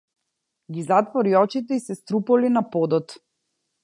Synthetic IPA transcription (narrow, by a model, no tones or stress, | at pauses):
ɡizat̪vɔɾiɔt͡ʃit̪ɛisɛst̪ɾupɔlinapɔd̪ɔt̪